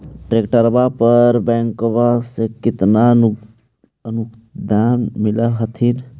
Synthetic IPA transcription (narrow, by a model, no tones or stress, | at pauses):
ʈɾekʈəɾbapəɾbɛŋkobasekɪt̪na | ənukd̪ʱanmilaɦət̪ʰin